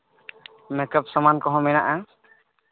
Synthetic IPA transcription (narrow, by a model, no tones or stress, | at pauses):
mɛkəp̚sɔmankɔɦɔ̃mɛnaʔa